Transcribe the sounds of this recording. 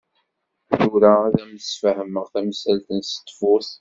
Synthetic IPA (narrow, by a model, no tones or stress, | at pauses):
juɾaæðæməsfæhəməʁθæmsælθənsə̥t̪ːfʊθ